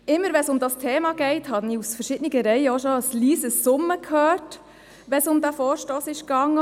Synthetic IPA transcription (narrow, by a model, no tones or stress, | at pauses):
ɪmːəɾʋɛnsʊmdɑstʰeːmɑɡ̥ɛɪthɑniusfəɾʃɪd̥əniɡəɾɛɪəɔʃɔəsliːsəsːʊmːəkʰhøːrt | ʋɛsʊmd̪æfɔːɾʃtoːsɪʃkɑŋːə